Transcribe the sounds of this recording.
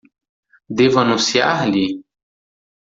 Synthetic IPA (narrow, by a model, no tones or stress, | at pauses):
d̪evɐnusjaɦli